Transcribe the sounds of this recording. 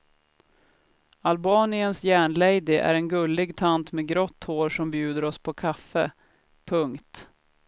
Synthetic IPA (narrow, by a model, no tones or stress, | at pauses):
albɑːnɪənsjæːɳlɛjd̪ɪʔæ̰ɾɛnɡɵlːɪɡt̪ʰant̪meːɡɾɔt̪ːhoːɾʂɔmbjʉ̟ːd̪əɾɔspʰɔkʰafːə | pʰɵŋkt̪